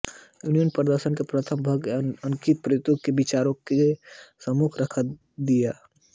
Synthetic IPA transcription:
junijənpɾəd̪əɾʃənkepɾət̪ʰəmbʱəɡəŋkit̪̚pɾt̪okebɪt͡ʃaːɾõkesəmukʰɾəkʰa | d̪ijaː

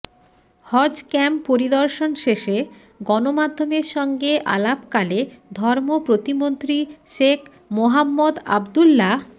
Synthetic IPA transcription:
hɔd͡ʑkɛmpoɾid̪ɔɾʃonʃeʃe | ɡɔnomad̪ʱːomeɾʃɔŋɡeʔa̰lapkaled̪ʱɔɾmopɾot̪imont̪ɾiʃek | moɦamːod̪a̰bd̪ulːa

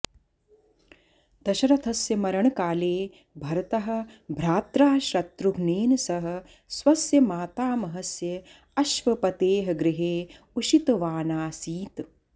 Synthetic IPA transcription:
d̪̥ɐʃɐɾɐt̪ʰɐsjɐmɐɾɐɳɐkaːleː | bʱɐɾɐt̪ɐɦɐ̆bʱɾaːt̪ɾaːʃɾɐt̪ɾuɡʱneːnɐsɐɦɐ̆ | swɐsjɐmaːt̪aːmɐɦɐsjɐ | ɐʃʋɐpɐt̪eːɦɐɡɾɪɦeː | uʃit̪ɐʋaːnaːsiːt̪

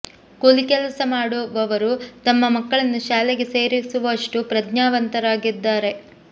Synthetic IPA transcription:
kolikɛlɐsɐmaːɽuʋɐʋɐɾut̪ɐmːɐmɐkːɐɭɐnːuʃaːleɡe̞se̞ːɾisuʋɐːʂʈupɾɐd̪ɲaːʋɐnt̪ɐɾaːɡid̪ːaːɾe̞

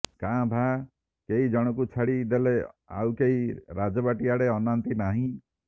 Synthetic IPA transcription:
kãbʱa | keɦid͡ʒɔɽ̃ɔkut͡ʃʰaɽid̪elea̰wkeɦiɾad͡ʒɔbaʈiaɽeɔnant̪inaɦĩ

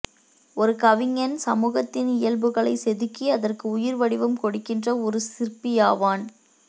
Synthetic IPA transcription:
ɔɾɯkɐʋɪŋɐnsɐmuːɣɐt̪ːɪnɪjɐlbɯɣɐɭɐɪsɛðɯkːiɐðɐrkɯʊjɪɾʋɐɽɪʋɯmkɔɽɯkːɪndrɐɔɾɯsɪrpɪjaːʋaːn

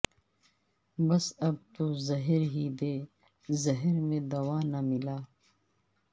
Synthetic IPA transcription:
bɐsɐb̚t̪uzɐɦɾɦiːd̪eː | zɐɦɾmẽːd̪ɐwaːnamilaː

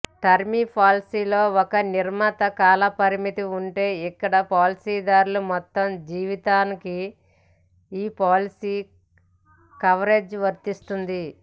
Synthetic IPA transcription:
ʈɐɾmipʰaːlsiːlo̞ːɔkɐniɾmɐt̪ɐkaːlɐpɐɾimit̪iuɳʈe̞ːikːɐɽɐpaːlisiːd̪aːɾulumɔt̪ːɐmd͡ʒiːʋit̪aːniki | iːpaːlisiː | kɐʋɐɾe̞ːd͡ʒʋɐɾt̪ist̪und̪i

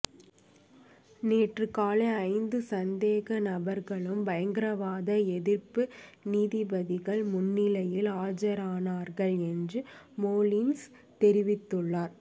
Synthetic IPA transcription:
neːʈrɯkaːleɐɪnd̪ɯsɐnd̪eːɣɐnɐbɐɾɣɐɭɯmbɐjɐŋɡɪɾɐʋaːðɐɛðɪɾpɯniːðɪbɐðɪɣɐɭmʊnːɪlɐjɪlaːd͡ʒɐɾaːnaːɾɣɐɭɛndrɯ | moːlins | t̪ɛɾɪʋɪt̪ːɯɭːaːɾ

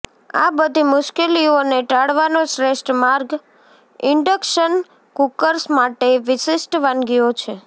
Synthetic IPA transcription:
a̰bəd̪ʱimʊʃkelioneʈaɽʋanoʃɾeʃʈmaɾɡ | ɪɳɖəkʃən | kukəɾsmaʈeʋɪʃɪʃʈʋanɡijot͡ʃʰe

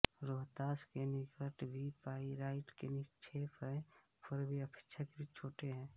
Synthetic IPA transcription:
ɾoːɦt̪aːskenɪɡəʈ̪bʱipaːiɾaːɪʈkenɪt͡ʃʰepʰɛpʰɪɾbʱiəpʰɪ̥t͡ʃʰət͡ʃbʱit͡ʃʰoːʈeɦɛ̃ː

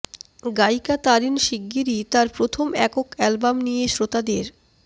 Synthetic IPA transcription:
ɡajkat̪aɾinʃiɡːiɾit̪aɾpɾot̪ʰomɛkokɛlbamnijeʃɾot̪ad̪eɾ

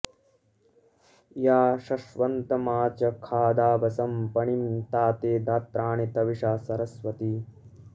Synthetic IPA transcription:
jaːʃɐʃʋɐnt̪ɐmaːt͡ʃɐkʰaːd̪aːbɐsɐmpɐɳimt̪aːt̪eːd̪aːt̪ɾaːɳit̪ɐʋiʂaːsɐɾɐsʋɐt̪i

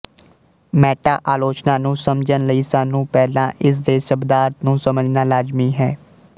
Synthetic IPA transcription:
mɛːʈa̰ːʔaːloːt͡ʃnaːnũːsəmd͡ʒənləiːsaːnːũːpɛːlãːʔɪs̬d̪eːʃəbd̪aːɾt̪nũːsəməd͡ʒnaːlaːzmiːɦɛː

